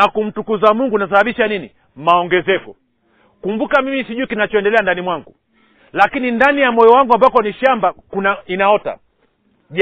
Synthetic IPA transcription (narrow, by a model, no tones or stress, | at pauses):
nakum̩tukuzamwuŋɡunas̬ahaɓiʃanini | maɔŋɡɛzɛkɔ | kumbukamimisiʄuikinat͡ʃɔɛndɛlɛandanimwaŋɡu | lakinindanijamɔjɔwaŋɡuambakɔniʃambakunainaɔta̰ | ʄ